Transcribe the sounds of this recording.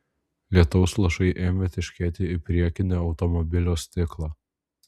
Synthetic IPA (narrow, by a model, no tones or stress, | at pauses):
lʲiɛt̪ɔʊslˠɐʃɐɪʔeːmʲet̪ʲɪʃʲkʲɛːt̪ʲɪɪpʲɾʲiɛkʲɪnʲeːɒʊt̪ɔmɔbʲɪlʲoːsʲt̪ʲɪklˠɑː